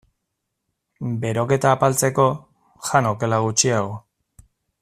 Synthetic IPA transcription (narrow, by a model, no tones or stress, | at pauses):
be̞ɾo̞ke̞t̪aːpalt͡se̞ko̞ | xanoke̞laɣ̞ut͡ʃiaɣo